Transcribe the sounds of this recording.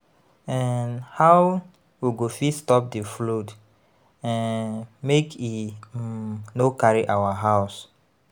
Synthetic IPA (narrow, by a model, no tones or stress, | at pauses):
ɛnhaw | wiɡofistɔp̚diflud | ɛ̃mekʰi | nokaɹiʔawaɦaʊs